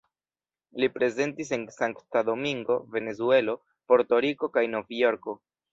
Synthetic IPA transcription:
lipɾe̞ze̞ntis̬e̞nsaŋktado̞miŋɡo̞ve̞ne̞zue̞lo̞ | po̞ɾto̞ɾiko̞kajno̞vijo̞ɾko̞

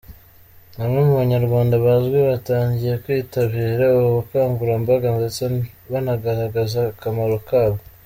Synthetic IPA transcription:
hamŋe̞muβaɲaɾɡwaːndaβazɡweβataːɲɟijekwiːtaβiːɾauβukaːŋɡuɾambaɡanzet͡saβanaɡaɾaɡazakamaɾo̞kaːβo

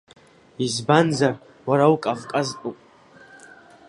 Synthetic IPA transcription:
izbanzar | waɾawkʼavkʼazpʷʼupʼ

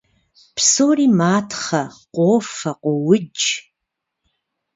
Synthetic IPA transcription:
pʰsoːriːmaːtʰχɐqʷʼoːfɐqʷʼowʊd͡ʒ

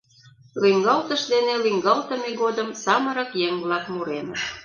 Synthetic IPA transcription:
lyŋɡɑlt̪əʃd̪enelyŋɡɑlt̪ə̆meɣod̪əmsɑməɾəkjeŋβlɑkmuɾeməʃ

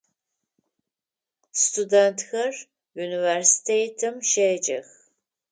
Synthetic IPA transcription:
stʰudɛntʰxɐr | universi̥tʰejtʰɨmʃeːd͡ʒʼɐ̰x

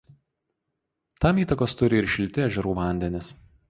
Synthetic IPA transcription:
t̪ɑmiːt̪ɐkoːst̪ʊɾʲɪɪɾʃʲɪlʲt̪ʲɪæːʒʲɛɾuːʋɐˑnʲd̪ʲɛnʲɪs

